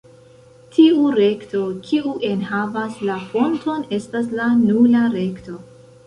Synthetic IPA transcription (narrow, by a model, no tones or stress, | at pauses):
tʰiuɾe̞kto̞kʰiuʔe̞nhavaslafo̞nto̞ne̞staslanulaɾe̞kto̞